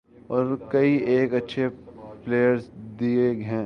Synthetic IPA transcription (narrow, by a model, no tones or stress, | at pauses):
ɔːɾkɐiʔeːkɐtːʃʰepleːjəɾsd̪ieɡɦɛ̃